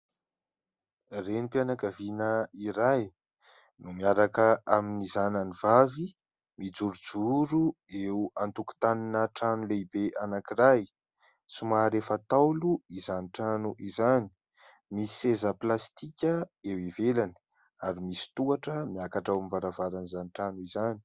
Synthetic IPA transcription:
renipanakavinəiɾaj | numiaɾakəʔaminizananivavi | mid͡zuɾud͡zuɾu | euant̪uku̥t̪aninəʈ͡ʂanuleibeʔanakiraj | sumaɾefat̪awluizaniʈ͡ʂanuʔizani̥ | misi̥sezəplast̪ikʲəewivelani̥ | aɾimisi̥t̪uaʈ͡ʂəmiakaʈ͡ʂawmivaɾavaɾanizaniʈ͡ʂanuizani̥

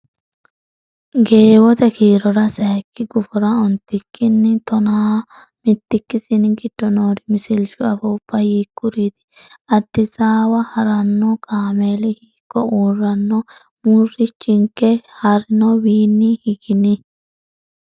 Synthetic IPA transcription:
ɡe̞ːwɔt̪ɛkʰiːɾɔɾɐsɐjɛkːɪɡʊfɔɾɐɔnt̪ːɪkʰːɪnːɪt̪ɔnaː | mɪt̪ːɪkːɪsɪnɡɪd̪̥ːɔnoːɾɪmɪsɪlʃʊɐfɔʊpːɐhiːkːʊɾit̪ɪ̥ɐd̪̥ːɪsaːwɐhɐɾɐnːɔkaːmeːlɪhiːkːɔuːrːɐnːɔ | murːɪt͡ʃʼːɪŋkɛhɐɾɪnɔwiːnːɪhɪɡɪnɪ

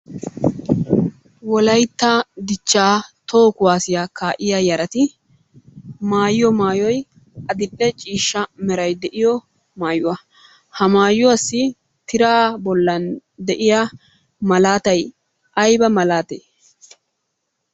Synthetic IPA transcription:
wɔlɐjt̪ːɐd̪ɪt͡ʃːaːt̪o̞ːkʊwaːsɪjakaːʔɪjaːjɐɾɐt̪ɪ | maːjjɔmaːjɔj | ʔɐd̪ɪɗːɛt͡ʃʼiːʃːɐmɛɾɐjd̪ɛʔɪjɔ | maːjʊwɐ | hɐmaːjʊwasːɪ | t̪ɪɾaːbɔlːɐnd̪ɛʔɪjaː | mɐlaːt̪ɐj | ʔɐjbɐmɐlaːt̪ḛː

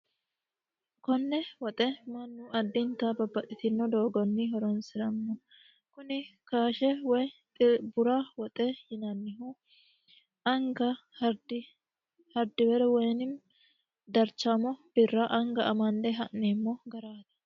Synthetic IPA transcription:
kɔnːɛwɔt̪ʼɛmɐnːʊʔɐd̪ːɪnt̪ɐbɐbːɐt̪ʼːɪt̪ɪnːɔd̪oːɡɔnːɪɦɔɾɔnsɪɾɐmːɔ | kʊnɪkaːʃɛwɔjt̪ʼɪbʊɾawɔt̪ʼɛhɪnɐnːɪɦʊ | ʔɐŋɡɐ | hɐɾd̪ɪ | hɐɾd̪ɪbɛɾɛwɔjnɪm | d̪ɐɾt͡ʃːamɔb̥ɪrːɐʔɐŋɡɐʔɐmɐnd̪ɛɦɐnːeːmːɔɡɐɾaːt̪ɐ̥

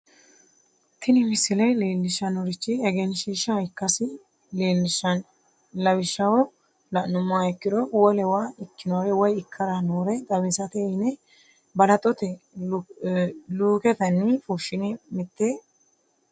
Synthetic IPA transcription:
t̪ɪnɪmɪsɪlɛleːlːɪʃɐnɔɾɪt͡ʃːɪɛɡɛnʃiːʃɐɪkːɐsɪ | leːlːɪʃɐn | lɐbɪʃːɐwɔ | lɐʔnʊmːaːɛkːɪd̪ɔwɔlɛwaːɪkːɪnawɛwɔjɪkʰːɐɾɐnuːɾɛd̪ɐβɪsɐt̪ɛɪnɛ | bɐlɐt̪ʼɔt̪ɛ | luːkɛt̪ɐnːɪfuʃɪnɪmɪt̪ːeː

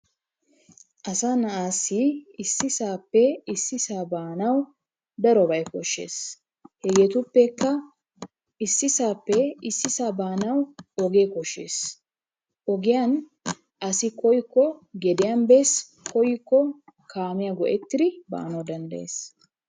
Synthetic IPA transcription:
ʔɐsaːnɐʔaːsːiɪsːɪsaːpːɛɪsːɪsaːbaːnɐw | d̪ɐɾɔbɐjkɔʃːe̞̰ːs | hɛɡeːt̪ʊpːɛkːɐ | ɪsːɪsaːpːɛɪsːɪsaːbaːnɐwɔɡeːkɔʃːḛːs | ʔɔɡɪjan | ʔɐsɪkɔjkːɔɡɛd̪ɪjambeːs | kɔjkːɔkʰaːmɪjɐɡɔʔɛt̪ːɪd̪ɪba̰ːnɐwd̪ɐnd̪ɐjḛːs

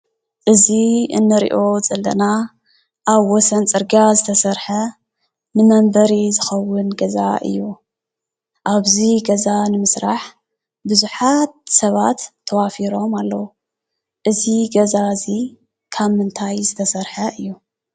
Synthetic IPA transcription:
ʔɨziɨ̰nːɨɾḭʔo̞zʼɐlːɐ̰na | ʔaβwɔsɐnt͡sʼɨɾɡazɨt̪ʰɐsɐɾħɐ | nɨmɐmbɐɾizɨxɐwːʊnɡɐza̰ʔɨ̰jːu | ʔaβziɡɐzanɨmɨsɾaħ | bɨzuħat̪sɐβat̪ʰːɐwafiɾo̞malːɐwu | ʔɨziɡɐzazi | kʰaβmɨnt̪ʰajzɨt̪ʰɐsɐɾħɐʔɨjːu

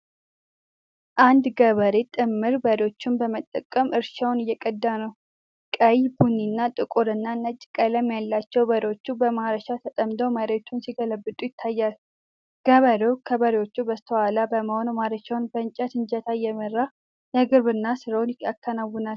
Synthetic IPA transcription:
ʔand̪ɡəβəɾet̪ʼɨmːɨɾbəɾeo̞t͡ʃːunbəmət̪ʼːəkʼːəmʔɨɾʃawnɨjːɛkʼəd̪ːanəw | kʼəjbunːinːat̪ʼɨkʼʊɾɨnːanət͡ʃʼːɪkʼələmːjalːat͡ʃːɛwbəɾeo̞t͡ʃːubəmaɾəʃat̪ʰət̪ʼəmd̪əwməɾeot͡ʃːunsiɡələbːɨd̪ʼujɪt̪ʰːajːal | ɡ̥əβəɾokʰəbəɾewot͡ʃːubəst̪ʰəwalabəməho̞numaɾəʃawnbənt͡ʃʼat̪ʰɨnt͡ʃʼət̪ʰajɛmərːa | jɛɡɨɾbɨnːasɨɾəwnɪa̰kʰːənawːʊnal

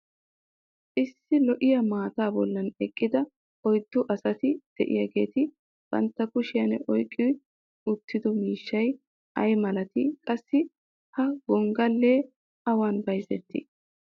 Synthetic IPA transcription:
ʔɪsːɪlɔʔɪjɐmaːt̪aːbɔlːɐnɛkʼːɪd̪ɐ | ɔjd̪ːɔʔɐsɐt̪ɪd̪̥ɛʔɪ̰jɐɡe̞ːt̪ɪ | b̥ɐ̰nt̪ːɐkʊʃɪjɐnɛʔɔjkʼːɪ | ʊt̪ːɪd̪ɔmiːʃːɐj | ʔɐjmɐlɐt̪ɪkʼɐsːɪ | hɐɡɔŋɡɐlːeː | ʔɐwaːnbɐjzɛt̪ːɪ̰

